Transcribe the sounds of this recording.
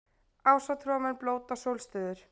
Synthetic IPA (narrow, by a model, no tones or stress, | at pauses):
aːwsat̪ʰɾɔːmɛnploːwt̪asowlst̪ʏːðʏɾ̥